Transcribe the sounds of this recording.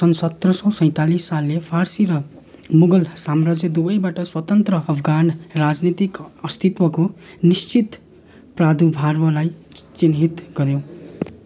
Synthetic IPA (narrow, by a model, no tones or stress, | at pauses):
sʌnsʌt̪rʌsʌwsʌj̃t̪alisːalːepʰarsiɾʌ | muɡʌlsamrad͡zjed̪ubʌjbaʈʌswʌt̪ʌnt̪rʌʌpʰɡanrad͡znit̪ikʌst̪ʰit̪wʌko | nist͡sit̪ | prad̪ubʱarwʌlajt͡sinɦit̪ɡʌɾjo